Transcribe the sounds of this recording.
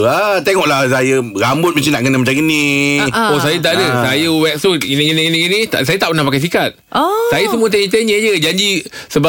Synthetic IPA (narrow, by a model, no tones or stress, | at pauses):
at̪eŋɔʔlahsajəɾambʊt̪̚mət͡ʃinaʔkənamat͡ʃaŋɡəni | osajət̪̬aʔadəsajəwɛk̚sut̪ɡinəɡiniɡiniɡinĩt̪a̰sajət̪aʔpərnahpakajs̬ikat̪̚sajəsəmũət̪eɲt̪̬eɲə̃d͡ʒəd͡ʒaɲd͡ʒisəba